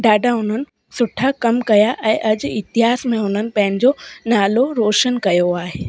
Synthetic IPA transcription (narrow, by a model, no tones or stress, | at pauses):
ɖaːɖʱaɦʊn̤ənɪ̆ | sʊʈʰakɐmkɐjaʔɛ̃ːʔɐd͡ʑɪt̪ɪɦaːsmẽʊn̤ənɪ̆pɐ̃ɦɪ̃nɪ̆d͡ʑonaːloɾoːʃənkɐjoaːɦeː